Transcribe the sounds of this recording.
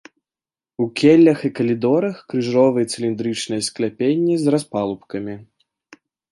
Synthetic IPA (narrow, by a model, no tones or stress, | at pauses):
ukʲelʲːɐxikɐlʲid̪ɔɾɐxkɾɨʐɔvɨjɛt̪sɨlʲind̪ɾɨt͡ʂnɨjɐsklʲapʲenʲːizraspalˠupkɐmʲi